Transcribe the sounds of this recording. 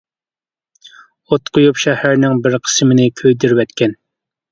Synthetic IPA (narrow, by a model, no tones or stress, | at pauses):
ot̪qʰojupʃɛhæɾnɪŋbɪɾqʰə̥smɪnɪkʲʰøjd̪yɾvɛt̪kʲʰɛn